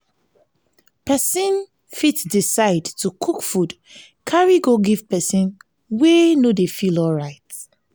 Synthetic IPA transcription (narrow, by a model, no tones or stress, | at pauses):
pɛsĩn | fitdisaɪdtʰukʰukfud | kʰaɹiɡoɡiv̥pɛsĩn | wenodefilɔlɹaɪt